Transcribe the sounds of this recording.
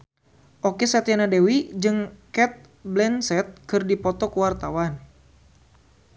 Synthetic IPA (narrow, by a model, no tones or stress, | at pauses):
ʔokesɛt̪janadewid͡ʒɨŋkɛt̪̚ | blɛnsɛt̪̚kɨrdipɔt̪ɔkəwart̪awan